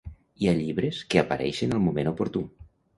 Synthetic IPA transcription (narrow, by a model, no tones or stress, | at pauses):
iaʎiβɾeskeapaɾɛ̰jʃenəlˠmumenopoɾt̪u